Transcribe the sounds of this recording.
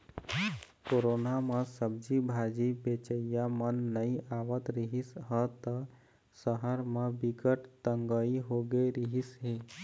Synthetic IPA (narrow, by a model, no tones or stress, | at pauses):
koɾoːnamə̃səb̚d͡ʒibʱad͡ʒibet͡ʃəjamənːəĩaːʋət̪ɾiɦisɦət̪ə | səɦəɾmẽbiɡəʈt̪əŋɡəiɦoɡeɾiɦisɦeː